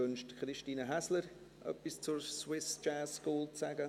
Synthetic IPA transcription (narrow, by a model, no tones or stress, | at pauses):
ʏnʃtkrɪʃtiːnəɦæsləɾ | ʔœ̰pːist͡sʊɾswɪst͡ʃɛːskuːlt͡sæɡə